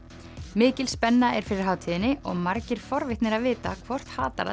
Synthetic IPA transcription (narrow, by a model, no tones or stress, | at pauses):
mɪːcɪlspɛnːaɛɾ̥fɪɾɪɾ̥ɦaːwt̪ʰiːðɪnːɪɔɣmaɾcɪɾ̥fɔɾvɪht̪nɪɾaðvɪːt̪akʰvɔr̥t̪haːt̪a̰ɾa̰